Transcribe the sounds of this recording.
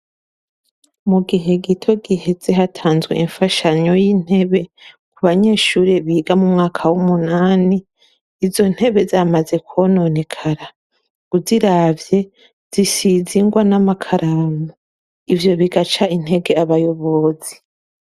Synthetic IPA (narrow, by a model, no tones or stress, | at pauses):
muɡiɦe̞ɡitʰo̞ɡihe̞ze̞ɦatʰaːnzɡwḛiɱfaʃaɲo̞jin̥he̞βe̞ | kuβaɲe̞ːʃuːɾeβiːɡamumŋaːkʰawumunaːniː | zo̞n̥he̞βe̞zamaze̞kʰono̞ne̞kʰaɾa | ɡ̥uziɾaːvje̞ | z̥isiziŋɡwanamakʰaɾamu | ivjo̞βiɡat͡ʃain̥he̞ɡe̞aβajo̞βozi̥